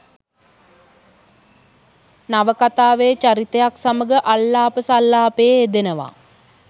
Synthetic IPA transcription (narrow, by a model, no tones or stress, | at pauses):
naʋəkat̪aːʋet͡ʃaɾit̪əjaksaməɡəʔalːaːpəsalːaːpejeed̪enəʋa̰